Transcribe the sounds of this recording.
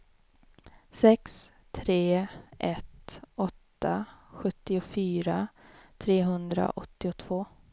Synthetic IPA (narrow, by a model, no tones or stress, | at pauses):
sɛks | t̪ʰɾeːʔɛt̪ɔt̪ːaɧɵt̪ːɪʊfyːɾat̪ʰɾeːɦɵnd̪ɾa̰ʔɔt̪ːɪʊt̪ʰv̥oː